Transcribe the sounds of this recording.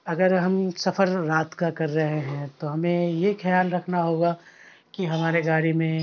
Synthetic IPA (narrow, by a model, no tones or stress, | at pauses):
ɐɡəɾɦɐmsɐfʰəɾɾaːt̪kakɐɾːɐɦeɦɛ̃t̪oɦɐmẽjexɐjaːlɾɐkʰnaɦoːɡa | kiɦɐmaːɾeɡaːɾimẽ